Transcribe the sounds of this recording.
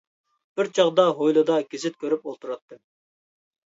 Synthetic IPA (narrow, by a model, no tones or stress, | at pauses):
b̥ɪɾt͡ʃʰɑʁd̪ɑɦojlˠɨd̪ɑɡʲezɪt̪̚kʲʰøɾypolˠt̪ʰuɾɑt̪ːɨ